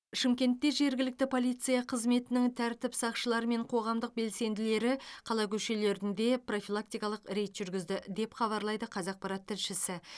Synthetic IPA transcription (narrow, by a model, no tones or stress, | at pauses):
ʃɪmkʲe̞nt̪ːe̞ʒe̞ɾɡʲɪlɪk̚t̪ɪpʰo̞lˠijt̪sɨjɑqʰəzme̞t̪ɪnɪŋt̪ʰæɾt̪ɪpsɑqʃəlˠɑɾme̞ɴqʰo̞ʁɑmd̪əq̚be̞lse̞nd̪ɪle̞ɾɪqʰɑlˠɑkʲʰɵʃe̞le̞ɾɪnd̪e̞pro̞filˠak̚t̪ijkɑlˠəqɾe̞jt̪ʒ̥ʏɾɡʲɪzd̪ɪd̪e̞pχɑβɑɾlˠɑjd̪əqʰɑzɑq̚pɑɾɑt̪ʰːɪlʃɪsɪ